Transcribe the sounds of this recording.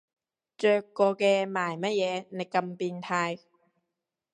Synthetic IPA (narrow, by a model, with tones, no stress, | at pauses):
t͡ʃœː˧kːɔː˧kɛː˧maː˨˩jmɐ˥t̚jɛː˨˧ne˨˧jkɐ˧mpiː˧nt̪ʰaː˧j